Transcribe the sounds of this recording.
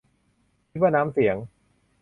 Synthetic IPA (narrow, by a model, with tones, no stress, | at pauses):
waː˥˩naː˦˥msi˩˦əŋ